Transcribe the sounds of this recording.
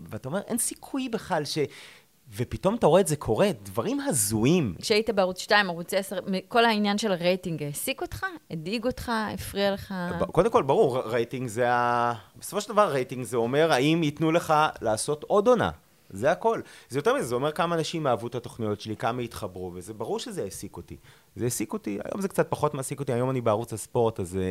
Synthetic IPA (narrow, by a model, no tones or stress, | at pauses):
veat̪ao̞me̞ʁʔensi̥kʰujbeχalʃe̞ | vepito̞mat̪aoʁedzekʰo̞ʁedvaʁimɦazuimkʃeaitabeaʁut͡sʃtaimaʁut͡sesaʁmeko̞lhainjanʃe̞lʁejtiŋɡesiko̞tχaediɡo̞tχaḛfʁialeχako̞d̪emko̞lbaʁuʁʁejtiŋɡzeabesofoʃeld̪avaʁːejtiŋɡzeo̞me̞ʁhaimit̪nule̞χalaːso̞to̞do̞na̰ | zeako̞lzejot̪e̞ʁmizezeo̞me̞ʁkamaːnaʃimːeaːvutato̞χnijo̞tʃelikamait̪χabʁuvezebaʁuʁʃezeesikotḭ | zeesikotia̰jʔo̰mzekt͡sat̪̚paχo̞tmasiko̞t̪iajo̞manibeaʁut͡saspo̞ʁt̪aze